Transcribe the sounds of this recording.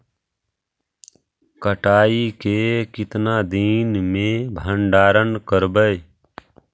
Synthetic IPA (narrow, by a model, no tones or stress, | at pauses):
kəʈaːikekɪt̪naːd̪iːnmẽbʱəɳɖaːɾənkəɾbəj